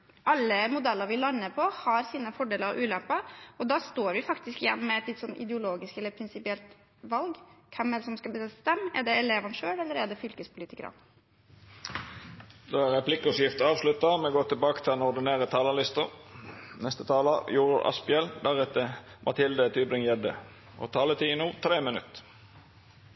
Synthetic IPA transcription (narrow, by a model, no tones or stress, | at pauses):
ʔɑlːəmʊd̪ɛlːəɾʋɪlɑnːəpʰɔhɑɾsiːnəfɔɖeːləɾɑ̰ʔʉːlɛmpɑɔd̪ɑːst̪oːɾʋɪfɑkt̪ɪskɪjɛ̰nːɔmɛɛt̪lɪt̪ːsɔnːɪ̰d̪əʊloːɡɪskɛlːəɾpʰɾɪnsɪpɪɛlt̪ | ʋɑlɡkʰɛmːɛsɔmskɑbəsɛsst̪ɛmːæ̰ɖɛɛlɛʋɑnʂøːɽɛlːəɾæɖ̪ɛfʏlkəspʰʊliːt̪ɪkəɾɑ̰n | d̪oːæʁɛplɪkɔsjɪft̪ɑːʋslʉt̪ːɑmɛɡoːt̪ʰɪlbɑːkə̥t̪ʰɪlɛnɔd̪ɪneːʁət̪ʰɑːlɑlɪst̪əʁnɛst̪ət̪ʰɑːlɑjuːɾə̰ʔɑ̰spɪɛld̪æʁɛt̪ːəmʔɑt̪ʰɪld̪ət̪ʰyːbɾɪŋjɛd̪ə̰ | ɔ̰t̪ʰɑːlət̪ʰiːnuːt̪ʰɾeːmənʉ̰t̪